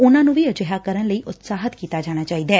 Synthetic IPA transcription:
ʊnãːnũːʋiːəd͡ʒəɦaːkəɾənləiːʔʊt̪saːɦət̪kiːt̪aːd͡ʒaːɽ̃aːt͡ʃaːiːd̪aː

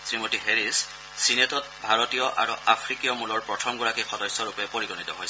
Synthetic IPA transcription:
sɹimotiɦeɹisː | inetɔt̚bʱaɹɔtijɔʔa̰ɹṵʔapʰɹikijɔmulɔɹpɹɔtʰɔmɡɔɹakixɔdɔsɔɹupɛpoɹiɡonit̪ɔɦojs

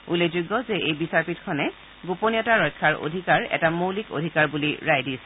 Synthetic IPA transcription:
ulezuɡɔzeʔejbisaɹpitkʰɔnɛ | ɡuponijɔtaɹɔjkʰːaɹʔo̰dʱikaɹɛ̰tamowliko̰dʱikaɹbuliɹajdis

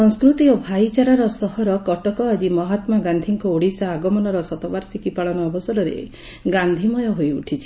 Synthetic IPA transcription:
sɔŋskɾut̪iobʱajt͡ʃaɾaɾɔsɔɦɔɾɔkɔʈɔkɔad͡ʒimɔɦat̪maɡand̪ʱiŋkɔuɽisaːɡɔmɔnɔɾɔsɔt̪ɔbaɾsikipaɭɔnɔːbɔsɔɾɔɾḛ | ɡand̪ʱimɔjɔɦojuʈʰit͡ʃʰi̥

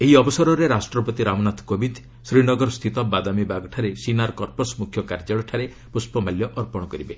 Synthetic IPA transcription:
eɦiɔbɔsɔɾɔɾeɾasʈɾɔpɔt̪iɾamnat̪ʰkobid̪ | sɾinɔɡɔɾɔst̪ʰit̪ɔbad̪amibaɡɔʈʰaɾesinaɾɔkɔɾposmukʰjɔkaɾd͡ʒaɭɔʈʰaɾe | puspɔmaljɔʔɔɾpɔɽ̃ɔkɔɾibe

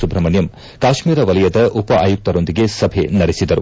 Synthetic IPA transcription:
subɾɐmɐnjɐm | kaːʃmiːɾɐʋɐlɐjɐd̪ɐʔupɐʔa̰ːjuk̚t̪ɐɾo̞nd̪iɡe̞sɐbʱe̞nɐɾisid̪ɐɾu

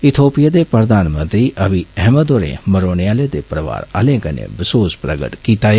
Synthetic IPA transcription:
ɪt̪ʰoːpijad̪epɾəd̪aːnmə̃nt̪ɾiːʔɐʋiɛməd̪oːɾḛ̃məɾoːniaːled̪eːpɾəʋa̰ːɾa̰lẽːkənḛ̃ːʋɪsoːspɾəɡə̰ʈkiːt̪aːe

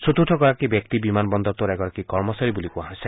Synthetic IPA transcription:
sut̪uʈʰɔkɔɾakibjɔk̚t̪ibimanbɔnd̪ɔɾt̪uɾɛɡɔɾakikɔɾmɔsaɾibulikuãɦɔjse

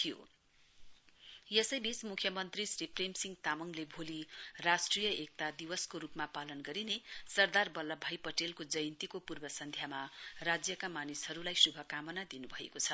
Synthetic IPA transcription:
t̪ʰijo̰ | jʌsʌjbʱismukʰjʌmʌnt̪risripremsiŋɡt̪amʌŋlebʱolirasʈrijʌek̚t̪ad̪iwʌskoɾupmapalʌnɡʌɾinesʌrd̪arbʌlːʌbʱajpʌʈelkod͡zʌjnt̪ikopurbʌsʌnd̪ʱjamarad͡zjʌkamanishʌɾulajsubʱʌkamʌnad̪inubʱʌḛkot͡sʰʌ

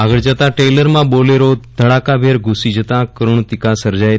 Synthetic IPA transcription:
aɡəɭd͡ʒət̪ãʈeləɾmãboleɾod̪ʱəɽakabʱeɾɡʱusid͡ʒət̪ãkəɾuɳ̃t̪ikasəɾd͡ʒaj

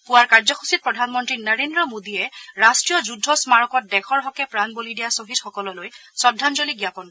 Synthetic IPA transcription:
pʊwaɹkaɹzɔxʰu̥sit̚pɹɔdʱanmɔntɹinəɹendɹɔmodiɛɹastɹijɔzudʱːɔsmaɹɔkɔt̚dɛxɔɹɦɔkɛpɹanbolidijasobʱitxɔkɔlɔlojsɔdʱːanzoliɡjapɔn

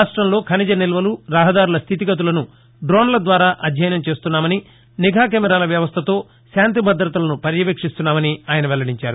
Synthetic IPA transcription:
aːʂʈɾɐmlo̞ːkʰɐnid͡ʒɐnilʋɐluɾaːɦɐd̪aːɾulɐst̪ʰit̪iɡɐt̪̬ulɐnu | ɖɾoːnlɐd̪ʋaːɾaːʔɐd̪ʱjɐjnɐmt͡ʃe̞ːst̪unːaːmɐni | niɡʱaːk̬ɛːmɛɾaːlɐʋjɐʋɐst̪ʰɐt̪o̞ː | ʃaːnt̪̬ibʱɐd̪ɾɐt̪ɐlɐnupɐɾjɐʋeːkʂist̪unːaːmɐniaːjɐnɐʋɛlːɐɽiɲt͡ʃa̰ːɾu

